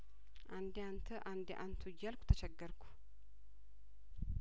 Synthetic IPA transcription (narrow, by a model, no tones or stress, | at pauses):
ʔand̪ant̪ʰəʔand̪ʔant̪ʰujːalkʷʰu̥t̪ʰət͡ʃɛɡːəɾkʰʷu̥